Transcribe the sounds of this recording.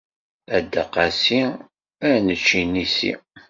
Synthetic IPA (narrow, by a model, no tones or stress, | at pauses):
æd̪ːəqɑsi | ænət͡ʃːinisḭ